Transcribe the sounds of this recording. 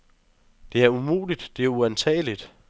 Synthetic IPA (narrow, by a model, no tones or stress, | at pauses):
d̥e̝æɐumo̝̰ːlid̥d̥e̝æɐuænt͡sʰɛ̰ːlid̥